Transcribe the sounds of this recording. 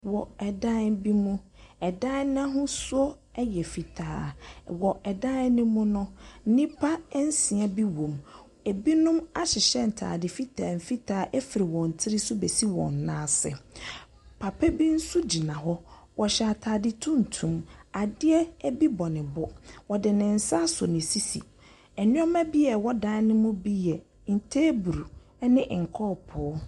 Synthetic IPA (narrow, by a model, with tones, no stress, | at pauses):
wɔ˨ɛ˨dã˦bi˦mũ˦ | ɛ˨dã˦nã˦ɦʊ̃˦sʊ˦ɔ˦ | ɛ˦jɛ˨fi˨tʰaː˨˦wɔ˨ɛ˨dã˦nɪ̃˦mʊ̃˦nʊ̃˦n̩˦nĩ˦pʰa˦n̩˦sĩ˨a˦bi˦wõ˨m | e˨bi˦nʊ̃˦ma˦ɕɪ˨ɕɛ˦n̩˨tʰa̰ː˨dɪ˨fi˦tʰa˨m̩˨fi˦tʰaː˨˦ʔɛ˦fi˨ɾi˨wɔ̃˨n̩˨tʰɪ˦ɾi˦sʊ˦be˨si˦wɔ̰̃˨n˨nãː˦sɪ̰˨ | pʰa˨pʰɛ˦bi˦n̩˦sʊ˦d͡ʑi˨nã˨ɦɔ˦ | wɔ˨ɕa˨tʰaː˨dɪ˦tʰũ˦n̩˨tʰũ˦ma˨dɪ˦ɛ˦bi˦bɔ˨nɪ̃˨bɔ˦wɔ˨dɪ˨nɪ̃˨n̩˨sa˦sʊ̰˨nɪ̃˨si˦sḭ˨ | ɛ˨nɪ̃˦ɔ˦mæ̃˦bi˦ɛ˨wɔ˦dã˦nɪ̃˦mʊ̃˦bi˦jɛ˨ | n̩˨tʰeː˦bu˨ɾu˨˦ | nɪ̃˦ʔŋ̩˨kʰɔː˦˨pʰɔ˨˦